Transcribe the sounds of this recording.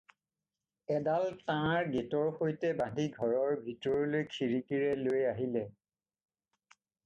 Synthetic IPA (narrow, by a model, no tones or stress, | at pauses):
ɛdaltãɹɡetɔɹxojtɛbãndʱiɡʱɔɹɔɹbʱitɔɹɔlojkʰiɹikiɹɛlojaɦilɛ